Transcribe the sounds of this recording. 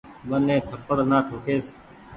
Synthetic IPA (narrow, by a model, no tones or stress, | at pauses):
ɓənẽːt̪ʰəpəɽnãːʈʰoːkʰeːs